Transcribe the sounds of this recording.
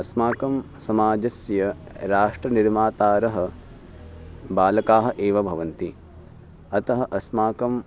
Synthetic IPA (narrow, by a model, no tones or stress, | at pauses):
ɐsmaːkɐm | sɐmaːd͡ʒɐsjɐɾaːʂʈɾɐniɾmaːt̪aːɾɐɦɐ̆ | baːlɐkaːɦɐ̆ʔeːʋɐbʱɐʋɐnt̪i | ɐt̪ɐɦɐʔɐsmaːkɐm